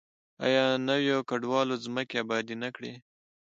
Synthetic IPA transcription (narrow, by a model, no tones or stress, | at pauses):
ɑ̰jɑnəwjokaɖwɑlozməkeabɑd̪inakɽe